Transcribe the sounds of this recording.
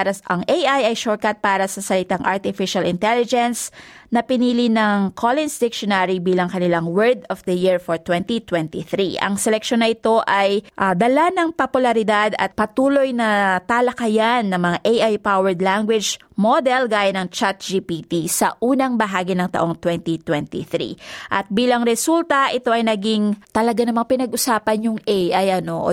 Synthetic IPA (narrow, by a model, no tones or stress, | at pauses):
ɾɐʔɐŋʔejʔajɐjʃoɹ̚kɐt̪̚paːɾɐsɐsɐlɪt̪aŋʔaɹt̪ɪfɪʃɐlɪnt̪ɛlɪd͡ʒɛnsnɐpɪniːlinɐŋkʰolɪnsd̪ɪk̚ʃonaɾibiːlɐŋkɐnɪlaŋwɛɹd̪ɔfd̪ɐjiɹfoɹt̪wɛnt̪it̪wɛnt̪iθɾiʔɐ̰ŋsɛlɛkʃonːɐʔɪt̪o̞ʔajʔad̪ɐlanɐŋpopʊlɐɾɪd̪ad̪ɐ̰t̪̚pɐt̪uːlo̞jnɐt̪alɐkɐjanːɐŋmɐŋaʔejʔajpawɛɹd̪laŋɡwɪd͡ʒ | mod̪ɛlɡaːjɐnɐŋt͡ʃat̪̚d͡ʒipit̪isɐʔuːnɐŋbɐɦaːɡɪnɐŋt̪ɐ̰ʔo̞ŋt̪wɛnt̪it̪wɛnt̪ḭθɾḭʔɐt̪̚biːlɐŋɾɛsult̪ɐʔɪt̪o̞ʔɐjnɐɡiŋt̪ɐlɐɡanɐmaŋpɪnɐɡʔʊsaːpɐnjʊŋʔɛjʔajʔɐno̞ʔ